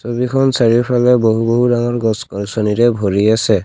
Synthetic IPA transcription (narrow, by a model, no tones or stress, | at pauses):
sobikʰɔnsaɹiɹpʰalɛboɦuboɦudaŋɔɹɡɔskɔnsɔniɾɛbʱoɹiasɛ